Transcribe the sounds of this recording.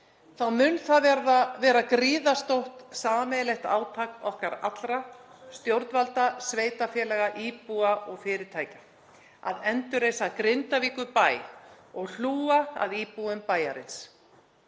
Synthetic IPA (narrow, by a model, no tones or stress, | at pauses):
θawmʏnθaðvɛɾðavɛːɾakɾiːðast̪owht̪saːmɛðlɛht̪a̰ːwt̪ʰaːkɔhkaɾa̰t̪lɾast̪jowɾt̪nvalt̪asveːjt̪afjɛːlɛɣaʔiːpuaʔɔɣfɪːɾɪ̥t̪ʰaːjcḁ | a̰ðɛnt̪ʏɾejsakɾɪnt̪aviːkʏpaːj | ɔɣl̥uːaa̰ðiːpuʏmpaːjaɾɪ̰ns